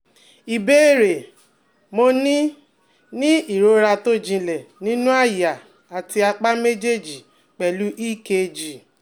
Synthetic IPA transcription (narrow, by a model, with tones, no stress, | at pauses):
i˨be˦e˦˨ɾe˨ | mo˧nĩ˦ | nĩ˦i˦˨ɾo˨˦ɾa˧to˦d͡ʒĩ˧lɛ˨nĩ˦nũ˦a˦˨ja˨ | a˨ti˧a˧k͡pa˦me˦d͡ʒe˦˨d͡ʒi˨ | k͡pɛ˨lu˦ʔi˦˨ke˧d͡ʒi˨